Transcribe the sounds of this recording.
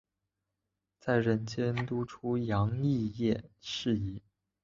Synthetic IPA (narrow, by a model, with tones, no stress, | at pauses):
t͡sa˥˩ɪɻə˧˥nt͡ɕjɛ˥nt̪u˥ʈ͡ʂʰu˥jɑ˧˥ŋi˥˧jɛ˥˩ʂɻ̩˥˩˧i˧˩